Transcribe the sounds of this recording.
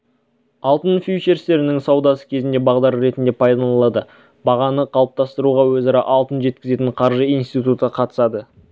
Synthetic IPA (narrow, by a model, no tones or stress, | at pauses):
ɑlˠt̪ənfʲit͡ʃe̞ɾst̪e̞ɾɪnɪŋsɑwd̪ɑsə̥kʲʰe̞zɪnd̪e̞bɑʁd̪ɑɾɾe̞t̪ɪnd̪e̞pʰɑjd̪ɑnlˠɑd̪ə | bɑʁɑnəqʰɑlˠəp̚t̪ɑst̪əɾuʁɑwɵzɑɾɑʔɑlˠt̪ənʒe̞t̪̚kʲɪze̞t̪ɪɴqʰɑɾʒəijnst̪it̪ut̪əqʰɑt̪ə̥sɑd̪ə